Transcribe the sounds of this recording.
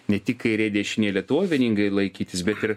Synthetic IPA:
nʲɛt̪ʲɪkːɐɪɾʲeːd̪ʲɛʃʲɪnʲeːlʲiɛt̪oːʋʲɪnʲiŋɡɐɪlˠɐɪkʲiːt̪ʲɪsbʲɛt̪ɪɾ

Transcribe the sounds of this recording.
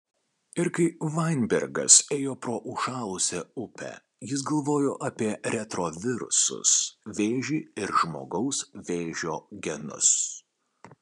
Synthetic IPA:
ɪɾkɐɪʋɐɪnʲbʲɛ̰ɾʲɡɐ̰seːjoːpɾoːʔʊʃɑːlˠʊsʲɛʊpʲɛ̰ | jɪs̬ɡɐlˠʋoːjoːʔɐpʲiɛɾʲɛt̪ɾoʋʲɪɾʊsʊ̰sʋʲeːʒʲiːɪɾʒmo̰ːɡɐʊsʋʲeːʒʲoːɡʲɛnʊ̰s

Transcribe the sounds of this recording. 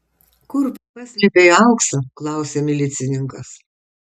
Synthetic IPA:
kʊɾpɐt͡ʃʲɪbʲɛɪɐʊksɐklˠɑˑʊsʲeːmʲɪlʲɪt̪sʲɪnʲɪŋkɐs

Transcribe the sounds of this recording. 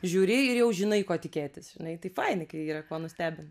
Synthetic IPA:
ʒʲuːɾʲɪɪɾjɛʊʒʲɪnɐɪkoːt̪ʲɪkʲeːt̪ʲɪsʒ̥ʲɪnɐɪt̪ɐɪfɐɪnʲɪkɐɪiːɾɐkoːnʊsʲt̪ʲæːbʲɪn

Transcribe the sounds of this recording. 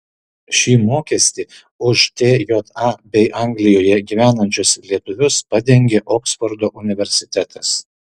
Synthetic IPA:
ʃʲiːmoːkʲɛsʲt̪ʲiː | ʊʃt̪ʲeːjoːt̪ɑːbʲɛɪʔɐˑŋɡlʲɪjoːjɛɡʲiːʋʲæːnɐnʲt͡ʃʲʊslʲiɛt̪ʊʋʲʊspɐd̪ʲɛŋʲɡʲeːʔɔːksfɔɾd̪oːʔʊnʲɪʋʲɛɾʲsʲɪt̪ʲɛt̪ʰɐs

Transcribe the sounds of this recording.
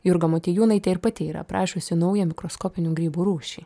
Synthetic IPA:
jʊɾɡɐmoːt̪ʲiːjuːnɐɪt̪ʲɛɪɾpɐt̪ʲɪiːɾɐ̰pɾɑːʃʲoːsʲɪnɐʊjɛmʲɪkɾoskoːpʲɪnʲuːɡɾʲiːbuːɾuːʃʲiː

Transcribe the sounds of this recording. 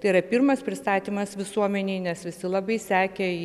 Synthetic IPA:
t̪ɐɪiɾɐpʲirmɐspʲɾʲɪst̪ɑːt̪ʲiːmɐsʋʲɪsuɔmʲɛnʲeɪnʲɛsʋʲɪsʲɪlˠɑːbɐɪsʲæːkʲɛ

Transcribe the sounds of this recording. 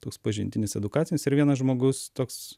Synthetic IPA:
t̪oːkspɐʒʲɪnʲt̪ʲɪnʲɪsɛd̪ʊkɑːtt͡sʲɪnʲɪsɪɾʋʲiɛnɐsʒmoːɡʊst̪oːks

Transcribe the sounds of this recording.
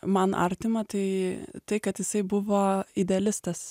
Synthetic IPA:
mɐnʔɐ̰ɾʲt̪ʲɪmɐt̪ɐɪt̪ɐɪkɐt̪jɪsɐɪbʊʋoːɪd̪ʲɛɐlʲɪst̪ɐs

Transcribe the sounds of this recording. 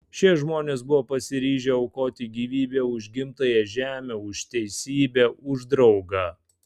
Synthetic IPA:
ʃʲɛʒmoːnʲeːsbʊʋoːpɐsʲɪɾʲiːʒʲɛːɒʊkoːt̪ʲiɡʲiːʋʲiːbʲeːʊʒʲɡʲɪmt̪ɐjɛʒʲæːmʲeʊʃt̪ʲɛɪsʲiːbʲeʊʒd̪ɾɒʊɡɑː

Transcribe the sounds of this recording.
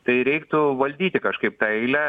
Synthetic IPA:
t̪ɐɪɾʲɛɪkt̪ʊʋɐlʲd̪ʲiːt̪ʲɪkɐʃkɐɪp̚t̪ɑɛɪlʲæ

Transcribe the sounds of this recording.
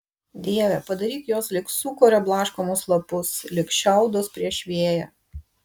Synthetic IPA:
d̪ʲiːɛʋʲɛpɐd̪ɐɾʲiːt̪joːslʲɪksuːkoːɾʲɛblˠɑːʃkoːmʊslˠɐpʊslʲɪkʃʲɛˑʊd̪ospʲɾʲiɛʃʲʋʲeːjɛ̰

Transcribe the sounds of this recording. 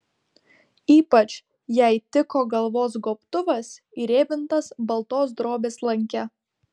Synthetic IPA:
iːpɐt͡ʃ | jæɪt̪ʲɪkoːɡɐlˠʋoːs̬ɡoːpt̪ʊʋɐs | iɾʲeːbʲɪnt̪ɐsbɐlˠt̪oːsd̪ɾoːbʲeːslˠɐŋʲkʲɛ

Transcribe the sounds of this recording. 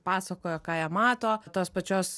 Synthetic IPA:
pɑːsɐkoːjoːkɑːjɛːmɑːt̪oːt̪oːspɐt͡ʃʲoːs

